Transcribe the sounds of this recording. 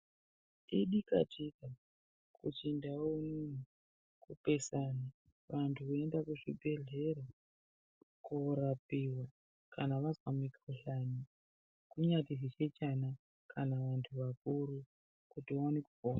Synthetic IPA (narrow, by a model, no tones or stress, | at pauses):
iɗika̰tika | kʰut͡ʃindaomun̤u | kupe̞sana | ʋantʰuoendakuʐibʱe̞ɮe̞ɾo | kuɾapiwa | kʰanaʋazwamikroɬani | kuɲatizit͡ʃet͡ʃana | kʰanaʋantʰuʋakuɾu | kutiowanekupoːna